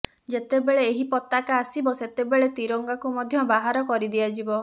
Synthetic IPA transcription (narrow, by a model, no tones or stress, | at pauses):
d͡ʒet̪ebeɭeːɦipɔt̪akaːsibɔset̪ebeɭet̪iɾɔŋɡakumɔd̪ʱjɔbaɦaɾɔkɔɾid̪iad͡ʒibɔ